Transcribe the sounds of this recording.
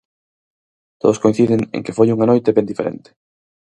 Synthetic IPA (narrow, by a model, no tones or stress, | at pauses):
t̪oðoskoĩnθiðɪŋḛŋkefojuŋanojt̪eβend̪ifeɾḛnt̪e̥